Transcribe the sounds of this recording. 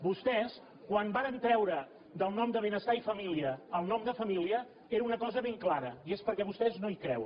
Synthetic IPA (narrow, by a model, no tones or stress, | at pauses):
bust̪ɛs | kwanbaɾənt̪ɾɛwɾə | d̪əlˠnɔmd̪əβenəst̪aifəmiliəːlˠnɔmd̪əfəmiliə | eɾəunəkɔzəβeŋklaɾəiespəɾkɛβust̪ɛznoikɾɛ̰w